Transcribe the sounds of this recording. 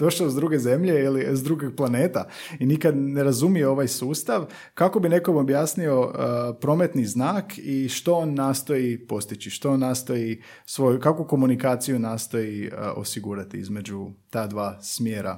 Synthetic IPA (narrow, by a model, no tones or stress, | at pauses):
d̪o̞ʃazd̪ɾuɡe̞ze̞mʎe̞ilizd̪ɾuːɡiɡ̚plˠane̞ːt̪ainikad̪ne̞ɾazumijeo̞ʋajsuːst̪aʋ | kako̞bine̞komo̞bjaːsnio̞əpɾo̞ːme̞t̪niznaːkʰiʃt̪oonːaːst̪o̞jipo̞st̪it͡ɕiʃt̪oonːaːst̪o̞ji | sʋo̞jukakuko̞munikaːt̪sijunaːst̪o̞jiʔo̞̰siɡuːɾat̪iḭzme̞d͡ʒut̪aːd̪ʋaːsmjeːɾa̰